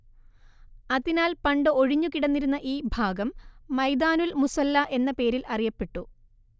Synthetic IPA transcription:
ɐðinaːlpɐɳɖɨoɻiɲːukiɽɐnːiɾunːɐʔiːbʱaːɡɐmːɐjd̪aːnulmusɐlːɐʔe̞nːɐpe̞ːɾilɐrijɐpːeʈːu

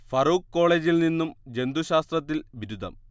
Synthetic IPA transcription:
fɐruːkkːo̞ːɭeːd͡ʑilninːumd͡ʑe̞nd̪uɕaːst̪rɐt̪ːilʋiɾud̪ʱɐ̰m

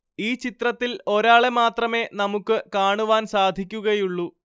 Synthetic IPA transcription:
iːt͡ɕit̪rɐt̪ːilo̞ɾaːɭemaːt̪rɐme̞ːnɐmukːɨkaːɳuʋaːnsaːd̪ʱikʲːuɣɐjuɭːu

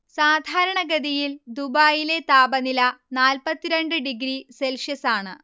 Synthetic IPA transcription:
saːd̪ʱaːɾɐɳɐɡɐd̪ijild̪ubaːjile̞t̪aːbɐnilɐnaːlpɐt̪ːiɾeɳɖɨɖiɡɾiselʂjɐsaːɳɨ̰

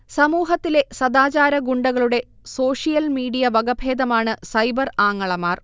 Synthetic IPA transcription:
sɐmuːɦɐt̪ːile̞sɐd̪aːt͡ɕaːɾɐɡuɳɖɐɣɐɭuɽe̞ | so̞ːʂijɐlmiːɽijɐʋɐɡɐbʱeːd̪ɐmaːɳɨsɐjbɐraːŋːɐɭɐmaːr

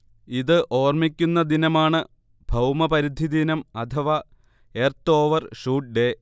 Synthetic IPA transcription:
iðɨʔo̞ːrmikʲːunːɐd̪inɐmaːɳɨ | bʱɐwmɐpɐɾid̪ʱid̪inɐmɐt̪ʰɐʋɐ | eːrt̪o̞ːʋɐrʂuːʈ̚ɖe̞

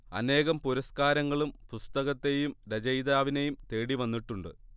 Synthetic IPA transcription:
ɐ̰ne̞ːɣɐmpuɾɐskaːɾɐŋːɐɭumpust̪ɐɣɐt̪ːe̞jumɾɐd͡ʑɐjd̪aːʋinejumt̪e̞ːɽiʋɐnːiʈːuɳɖɨ̰

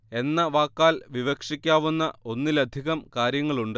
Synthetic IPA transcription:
e̞nːɐʋaːkːaːlʋiʋɐkʂikʲːaːʋunːɐo̞nːilɐd̪ʱiɣɐmkaːɾjɐŋːɐɭuɳɖɨ

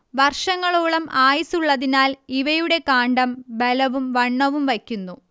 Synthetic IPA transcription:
ʋɐrʂɐŋːɐɭoːɭɐmʔaːjɐsuɭːɐðinaːliʋɐjuɽe̞kaːɳɖɐmbelɐʋumʋɐɳːɐʋumʋɐkʲːunːu

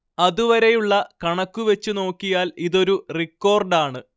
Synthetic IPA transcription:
ɐðuʋɐɾe̞juɭːɐkɐɳɐkːuʋet͡ɕːuno̞ːkːijaːliðo̞ɾurikːo̞ːrɖaːɳɨ

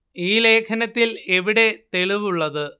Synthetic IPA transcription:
iːle̞ːkʰɐnɐt̪ːile̞ʋiɽe̞t̪e̞ɭiʋuɭːɐðɨ

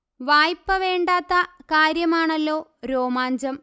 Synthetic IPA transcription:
ʋaːjpːɐʋe̞ːɳɖaːt̪ːɐkaːɾjɐmaːɳɐlːo̞ːɾo̞ːmaːɲd͡ʑɐm

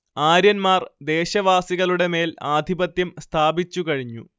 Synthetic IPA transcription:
aːɾjɐnmaːrd̪e̞ːɕɐʋaːsiɣɐɭuɽe̞me̞ːlaːd̪ʱibɐt̪jɐmst̪ʰaːbit͡ɕːukɐɻiɲːṵ

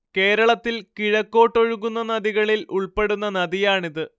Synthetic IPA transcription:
ke̞ːɾɐɭɐt̪ːilkiɻɐkːo̞ːʈːo̞ɻuɣunːɐnɐðiɣɐɭilʔuɭpe̞ɽunːɐnɐðijaːɳiðɨ

